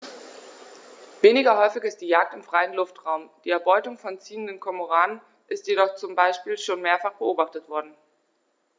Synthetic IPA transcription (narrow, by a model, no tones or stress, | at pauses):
veːnɪɡɐɦɔʏfɪçɪst̚d̥iːjaːk̚tɪmfʁ̥aɪənlʊftʁ̥aʊmd̥iːɛɐbɔʏtʊŋfɔnt͡siːəndənkʰɔmoʁaːnən | ʔɪstjeɾɔχt͡sʊmbaɪʃpiːlʃoːnmeːɐfaχb̥əʔoːbaχtətv̥ɔɐdn̩